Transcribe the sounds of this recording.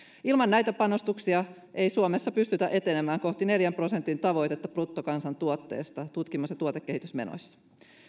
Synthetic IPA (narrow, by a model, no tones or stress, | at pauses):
ilmɑnːæjt̪æpɑno̞st̪uksiɑ | ʔe̞jsuome̞sːɑpyst̪yt̪æʔe̞t̪e̞nemæːŋko̞ht̪ine̞ljæmpro̞se̞nt̪int̪ɑʋo̞jt̪e̞t̪ːɑprut̪ːokɑnsɑnt̪uot̪ːe̞̰ːst̪ɑt̪ut̪kimːusjɑt̪uoekːe̞hit̪ysme̞̰no̰jsːɑ̥